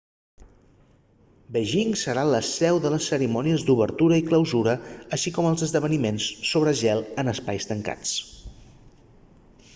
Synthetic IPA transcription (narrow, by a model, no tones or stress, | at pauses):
bəʒiŋsəɾaləsɛwðələsːəɾimɔniəzd̪uβəɾt̪uɾəikləwzuɾəːʃikɔməlˠzəzðəβ̞ənimensːoβ̞ɾəʒɛlˠənəspajst̪əŋka̰t͡s